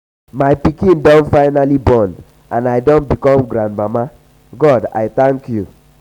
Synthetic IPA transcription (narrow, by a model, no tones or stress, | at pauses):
maɪpikĩndɔ̃ntfaɪnalibɔn | ãnaɪdõntbikɔ̃mɡɾãndmama | ɡɔda̰ɪθãŋkju